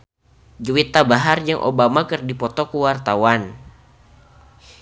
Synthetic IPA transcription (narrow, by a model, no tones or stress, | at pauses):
d͡ʒuwit̪abaɦard͡ʒaŋʔo̰bamakɨrdipɔt̪ɔkuwart̪awan